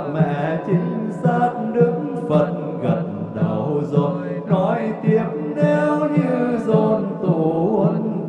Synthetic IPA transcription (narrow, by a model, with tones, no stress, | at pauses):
mɛ̰˧˨t͡ɕi˨˦ŋ̟saː˦t̚ɗɨ˧˦k̚ | və˨˩t̚ | ɣə˨˩n̚ | ɗaː˨˩wzo˨˩j | nɔ˨˦jt̪i˨˦əm̚ne˨˧˦wɲɨ˧zɔ˧˩nt̪u˧˩ə˨˦n